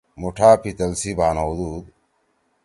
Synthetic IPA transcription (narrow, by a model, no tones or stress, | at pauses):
muʈʰaːpʰit̪ɐlsibʱaːnawd̪uːd̪